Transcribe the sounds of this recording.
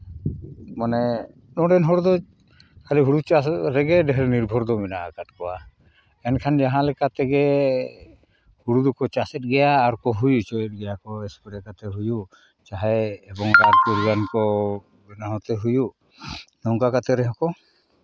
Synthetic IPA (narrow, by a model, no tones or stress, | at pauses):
manɛ | nɔɖɛnɦɔɽd̪ɔ | kʰaliɦuɽut͡ʃaɾɛɡɛɖɛɦɾɛniɾbʱɔɾd̪ɔmɛnaʔakaʈ̚kɔwa | ɛnkʰand͡ʒaɦãlɛkat̪ɛɡɛ | huɽud̪ɔkɔt͡ʃasɛt̪̚ɡɛjaːɾkɔɦujut͡ʃɔjɛt̚ˀɡɛjakɔɛspɛɾɛkat̪ɛɦuju | t͡ʃaɦɛɛbɔŋɾaɾpuɾɡankɔ | bɛnaɦɔ̃t̪ɛɦujuʔ | nɔŋkakat̪ɛɾɛɦɔkɔ